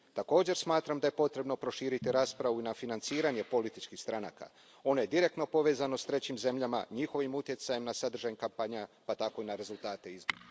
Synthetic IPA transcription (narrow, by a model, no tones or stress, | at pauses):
t̪ako̞ːd͡ʑe̞ɾsmaːt̪ɾamd̪aje̞po̞t̪ɾe̞bno̞pɾo̞ʃiːɾit̪iɾaːspɾaʋuinafinant̪siːɾaɲe̞po̞lit̪it͡ʃkixst̪ɾana̰ːka̰ | o̞no̞je̞d̪iɾe̞k̚t̪no̞po̞ʋe̞ːzano̞st̪ɾe̞t͡ɕimze̞mʎama̰ɲixo̞ʋimut̪je̞t̪saje̞mnasad̪r̩ʒaɲkampaɲapat̪ako̞inaɾe̞zulˠt̪aːt̪e̞izboɾa